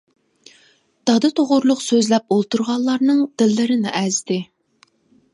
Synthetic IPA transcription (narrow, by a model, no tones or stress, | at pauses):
d̪̥ɑd̪ɨt̪ʰoʁʊɾlˠʊqsøzlɛp̚olˠt̪uɾʁɑnllˠɑɾnɨŋd̪̥ɪlːɪɾɪnɪʔɛzd̪ɪ